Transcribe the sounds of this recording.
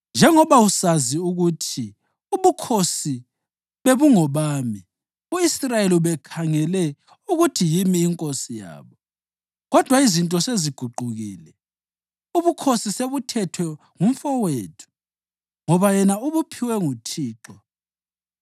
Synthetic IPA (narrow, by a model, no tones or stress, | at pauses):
nd͡ʒʱɛŋɔβausaziuɣutʰi | uβukʰosi | βeβuŋɔβaːmi | uisrajeliβɛkʰaŋɛlɛ | uɣutʰijimiːŋkʼosija̰ːβɔ | ɣɔd̥ʱwaizintʼɔseziɡ̥ʱuɡ͡ǃʱuɣiːlɛ | uβukʰosiseβutʰɛtʰwɛ | ŋuɱ̩fɔweːtʰu̥ | ŋɔβajɛnauβupʰiwɛŋutʰiːǁɔ